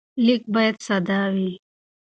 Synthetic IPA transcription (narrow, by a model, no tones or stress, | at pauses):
lik̚bajɐd̪sɐd̪awi